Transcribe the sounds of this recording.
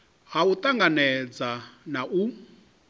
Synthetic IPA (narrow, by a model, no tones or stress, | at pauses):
ɦaut̪ʼaŋɡanɛd͡zanaʔu